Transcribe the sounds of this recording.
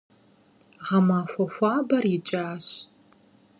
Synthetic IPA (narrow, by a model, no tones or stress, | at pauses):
ʁɐmaːfʷɐfʷɑːbɐrɪt͡ʃʼaːɕ